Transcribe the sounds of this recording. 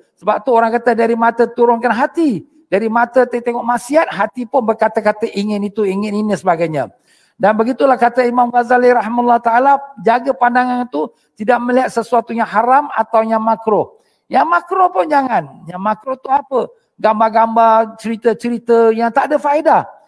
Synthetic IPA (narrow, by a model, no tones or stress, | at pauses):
səbap̚t̪uoɾaŋkat̪ədaɾimat̪ət̪uɾʊnkanɦat̪i | daɾimat̪ət̪at̪eŋɔʔmasiɦat̪̚ɦat̪ipʊnbərkat̪əkat̪əʔiŋɪnit̪uiŋɪninisəbaɡajɲa̰ | danbəɡit̪ulahkat̪əimamɣazaliɾaɦimalːahut̪aalad͡ʒaɡəpandaŋanit̪u | t̪idaʔ̚məliat̪̚səsuat̪ujaŋɦaɾama̰t̪awjaŋmakɾo | jaŋmakɾopʊnd͡ʒaŋanjaŋmakɾot̪uapə | ɡambaɡambat͡ʃəɾit̪ət͡ʃəɾit̪əjaŋt̪adəfaeda